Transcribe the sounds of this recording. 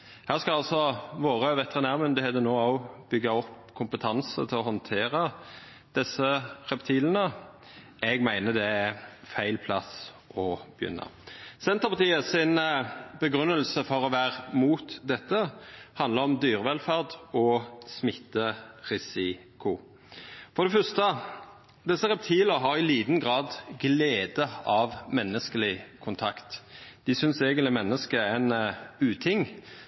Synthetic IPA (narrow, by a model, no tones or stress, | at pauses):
hæːʁskɑlɑlsɔʋoːʁəʋɛt̪əʁɪnæːʁmʉnd̪ɪhɛd̪ənoːɑʊbʏɡɑɔp | kʰʊmpət̪ʰɑnsə̰t̪ʰɪlɔɦɔnt̪ʰeːʁə | d̪̥ɛsːəʁɛpt̪ʰiːlənə | ɛɡmæɪnəd̪ɛæfæɪlpʰlɑs | ʔɔb̥əjʏ̰nːɑ̰sɛnt̪əʁpɑt̪iːəsɪnbəɡʁʉnːəlsəfɔʁɔʋæːʁmuːt̪d̪ɛt̪ːəhɑnd̪əɾɔmd̪yːʁəʋɛlfæʁd̪ɔsmɪt̪ːəʁɪsɪkʊ | fɔʁd̪ɛfœst̪ə | d̪ɛsːəɾɛp̚t̪ʰiːləʁɦɑɾɪliːd̪n̩ɡʁɑːd̪ɡleːd̪əɑʋmɛnːəskəlɪkʰʊnt̪ʰɑkt̪d̪̥ɪsʏnsɛːɡənlɪmɛnːəskəɛnʉːt̪ʰɪŋ